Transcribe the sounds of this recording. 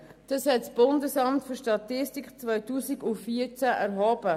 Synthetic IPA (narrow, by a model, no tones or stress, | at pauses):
d̥ɑshɛtsb̥ʊndəsɑmtfyɾʃtɑt̪ɪstikt͡svœʏtuːsiɡʊnfiəɾt͡sæʔɛɾɦɔːb̥ə